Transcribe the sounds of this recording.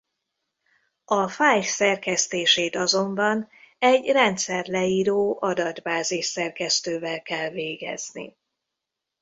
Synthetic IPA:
ɒfaːjsɛrkɛst̪eːʃeːt̪ɒzo̞mbɒnɛɟrɛnt̪sɛrlɛiːɾoːʔɒd̪ɒd̪baːziʃsɛrkɛst̪øːvɛlkɛlveːɡɛ̰znḭ

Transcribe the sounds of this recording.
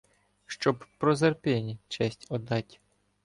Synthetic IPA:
ʃt͡ʃɔbpɾɔzerpʲɪnʲit͡ʃɛsʲtʲɔd̪ɑtʲi

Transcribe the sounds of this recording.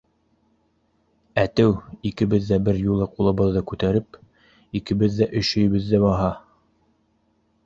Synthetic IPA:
æt̪ɘwikɘ̆βɘðːæbɘɾjulˠɤqulˠɤ̆βɤðːɑkʉt̪æɾɘp | ikɘ̆βɘðːæʔɵʃɵ̆jɘ̆βɘðːæβɑɦɑ

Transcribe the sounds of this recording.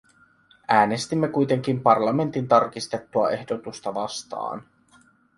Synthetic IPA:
æːne̞st̪imːe̞kujt̪e̞ŋk̟impɑrlɑme̞nt̪int̪ɑrk̟ist̪e̞t̪ːuɑe̞hdo̞t̪ust̪ɑʋɑst̪ɑ̰ːn

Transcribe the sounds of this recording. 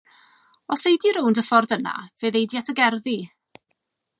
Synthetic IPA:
ɔθejdiɾʊwndəfɔrðəna̰vɨːðejdjatʰəɡɛrði

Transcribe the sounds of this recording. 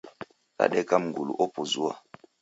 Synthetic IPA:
a̰ɗɛkamŋ̩ɡulṵʔɔpozua̰

